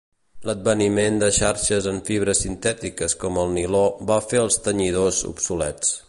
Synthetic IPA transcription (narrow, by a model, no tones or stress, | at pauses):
ləd̪̚bənimend̪əʃaɾʃəzəɱfiβ̞ɾəsint̪ɛt̪ikəskɔməlˠniloβafeəlˠst̪əɲið̞ozṵpsulɛ̰t͡s